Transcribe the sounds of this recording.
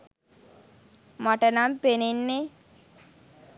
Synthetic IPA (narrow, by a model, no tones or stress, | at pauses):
maʈənampenenːe